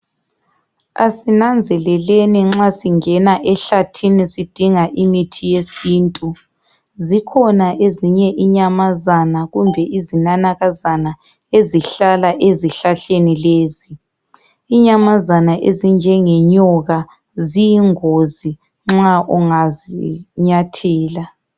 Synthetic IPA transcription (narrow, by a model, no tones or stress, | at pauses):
a̰sinand͡zʱɛlɛleniŋ͡ǁasiŋɛnaʔɛɬatʰinisid̥ʱiŋaʔimitʰijesiːntʼu | zikʰɔnaʔeziɲɛʔiɲamazanaɣumbʱɛʔizinanaɣazana | eziɬalaʔeziɬaɬenileːzi | iɲamazanaʔezind͡ʒʱɛŋɛɲɔɣa | zijiŋozi | ŋ͡ǁaʔɔŋaziɲatʰɛːla